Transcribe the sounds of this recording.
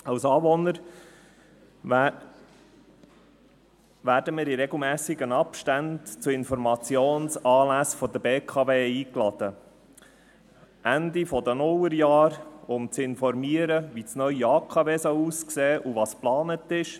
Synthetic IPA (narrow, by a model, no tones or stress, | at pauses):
ɑwsɑːvɔnəɾ | ʋæːɾdəmɪːɾiɾɛɡl̩ˠmæːsɪɡənɑpʃtæntt͡suɪnfɔɾmɑt͡sjoːnsɑːlæsfɔd̪əbeːkʰɑveːiːklɑd̪̥ə | ʔænd̪ifɔd̪ənʊləɾjɑːɾʊmt͡sɪnfɔɾmiəɾəʋit͡snœʏjiɑːkʰɑveːsɔʊuːskseːʔuʋɑːsplɑːnətɪʃ